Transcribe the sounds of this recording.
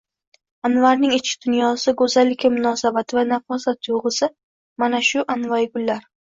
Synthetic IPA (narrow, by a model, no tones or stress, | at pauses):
anvaɾnɪŋɪt͡ʃkʰɪ̥d̪̥ʊnjɒsɪɡɵzalːɪkʲamʊnɒsabat̪ʰɪvanafɒzat̪ʰjoʁɨsɪ | manaʃʊʔanvajɡʊlːaɾ